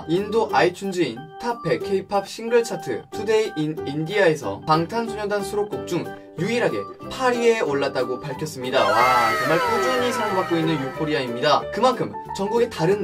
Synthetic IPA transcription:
indoʔait͡ɕʰund͡ʑɯintʰapʰe̞kʰeipʰap̚ɕ͈ʰiŋɡɯɭt͡ɕʰatʰɯ̰tʰude̞inindiaesʰʌ̰paŋtʰansʰuɲodansʰuɾok͈ok̚t͡ɕ͈uŋ | juiɾɦaɡe̞ | pʰaɾie̞oɭːat̚t͈aɡopaɭkʰjʌs͈ɯmɲidainːaɭpʰod͡ʑaɲisʰajoŋbak͈̚oinːɯnjokpʰoɾiaimɲidakɯmankʰɯm | t͡ɕʌŋɡuɡe̞taɾɯn

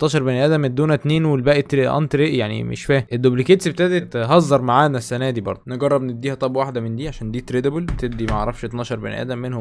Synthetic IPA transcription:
t̪ːɑːʃɑɾˤbænʔæːd̪æmed̪uːnæt̪neːnwelbæːʔet̪ʔɑ̰nt̪ɾeʔjaʕnḭmḛʃfæːhʔed̪ːoblikeːt̪sbet̪æd̪et̪ɦɑzˤːɑɾˤmaʕaːnæsːænæːd̪iːbɑ̰ɾˤd̪ˤneɡɑrˤːɑbnebd̪ːiːhæt̪ˤɑbwaħd̪æmend̪iːʕaʃæːnd̪iːt̪ɾed̪ebelbet̪eb̚d̪imæʔʕɾˤːɑfʃet̪nɑːʃɑɾˤbæ̰nʔæ̰ːd̪æmːenhom

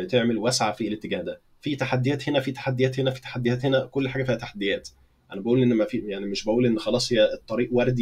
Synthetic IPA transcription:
t̪eʕmelwæsʕafilet̪ːeɡæːhd̪æ | fit̪aħad̪ːejæːt̪henæfit̪ḁħad̪ːejæːt̪henæfi̥t̪ḁħad̪ːejæːt̪henækolːħaːɡæfiːhæt̪aħad̪ːejæːt̪ | ʔænæbæʔuːlʔenːmæfijaʕnimeʃbæʔuːlʔenːxɑlɑːsˤhejːæet̪ˤːɑɾiːʔwæɾˤd̪

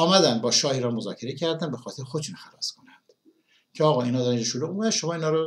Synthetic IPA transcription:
ɒːmæd̪ænd̪̚bɒːʃɒːhiːɾɒːnmozɒːcʰeɾecʰæɾd̪ænbexɒːt̪ʰeɾxod̪ʃuːnxælɒːskʰo̞nænd̪̥ | cʰeɒːɣɒːinɒːd̪ɾænid͡ʒʃoluːɣumæʃomɒːiːnɒːɾo

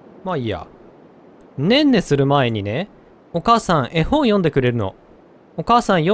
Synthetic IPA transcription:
maia̰ | nẽ̞nːe̞sɨɾɯ̟mae̞ɲ̟ine̞ | o̞kaːsãɰ̃ʔe̞hõ̞ɰ̃jõ̞nd̪e̞kɯ̟ɾe̞ɾɯ̟no̞̰ | okaːsãɰ̃jo

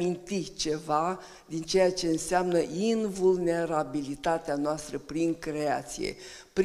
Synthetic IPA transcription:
int̪it͡ʃe̞va | d̪int͡ʃejat͡ʃe̞ɨnseamnəʔinvulne̞ɾabilit̪at̪eanoast̪ɾəpɾiŋkɾe̞at̪sḭje̞̰ | pɾ

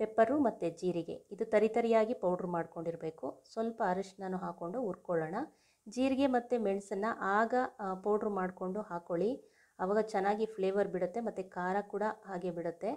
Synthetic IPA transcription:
pepːɐɾumɐt̪ːed͡ʒiːɾiɡe̞̰id̪ut̪ɐɾit̪ɐɾijaːɡipɐwɖɾumaːɖko̞ɳɖiɾbe̞ːkusʋɐlpɐːɾɐʂnɐnːuɦaːko̞ɳɖuuɾkoɭɐːɳɐ | d͡ʒiːɾiɡe̞mɐt̪ːumeɳsɐnːɐʔaːɡɐpɐwɖɾumaːɖko̞ɳɖuɦaːkoɭi | ɐʋaːɡɐt͡ʃɛnːaːɡipʰɭeːʋɐɾbiɽut̪ːemɐt̪ːukaːɾɐkuːɽɐɦaːɡebiɽut̪ːe̞

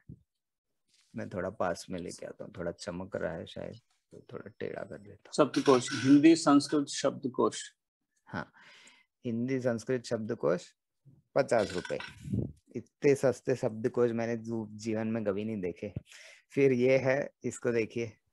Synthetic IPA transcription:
mɛ̃ːt̪ʰoːɽapaːsmẽlḛːkea̰ːt̪a̰ɦũt̪ʰoːɽat͡ʃɐməkɾɐ̰ɦɛ̰ʃa̰ːjə̰d̪ | t̪oːt̪ʰo̰ːɽa̰ʈḛːɽa̰kɐ̰ɾd̪eːt̪aɦʃɐb̚d̪koːʃɦɪ̃nd̪isə̃nskɾɪt̪ʃɐb̚d̪koːʃ | hã̰ː | hɪ̃nd̪is̬ɐ̃nskɾɪt̪ʃɐb̚d̪koːʃ | pɐt͡ʃaːsɾʊpəḛ | ɪt̪ːesɐst̪əʃɐb̚d̪koːʃmɛ̃ːned͡ʒiːʋənmẽkɐbʱinɐɦĩd̪eːkʰeːfɪɾjeɦɛɪskod̪eːkʰieː

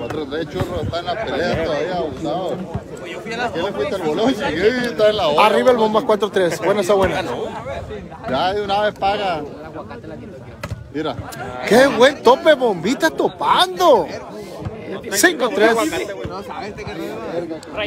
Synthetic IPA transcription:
kwat̪ɾot̪ɾest͡ʃuroest̪aenlapeleat̪oðaβiaɣut̪aðo | kelepit̪aelβolont͡ʃieet̪aenlaariβaelβombakwat̪ɾot̪ɾesbwenasaβwena | d͡ʒaunaβespaɣa | miɾakeβwent̪o̞peβombit̪ast̪opand̪o | siŋkot̪ɾess

